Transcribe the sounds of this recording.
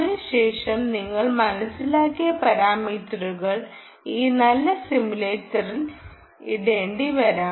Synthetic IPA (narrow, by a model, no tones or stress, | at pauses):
ðɨɕe̞ːʂɐmniŋːɐɭmɐnɐsilaːkːijɐpɐɾaːmiːt̪ruɣɐɭ | iːnɐlːɐsimule̞ːtːɐril | iɽeːɳɖiʋɐɾaːm